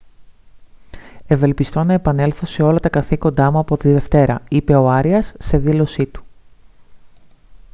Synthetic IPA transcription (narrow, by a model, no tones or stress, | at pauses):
e̞ve̞lpist̪o̞nɐe̞pɐne̞lθo̞se̞o̞lɐt̪ɐkɐθiko̞nd̪ɐmuɐpo̞t̪iðe̞ft̪e̞ɾɐ̰ipe̞o̞ɐɾiɐsːe̞ðilo̞sit̪u̥